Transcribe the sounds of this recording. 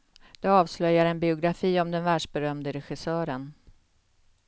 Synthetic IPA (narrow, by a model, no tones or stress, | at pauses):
d̪̥ɛɑːvslœjːaɾɛnbɪʊɡɾafiːɔmd̪ɛnvæːɖʂbɛɾœmd̪əɾɛɧɪsœːɾən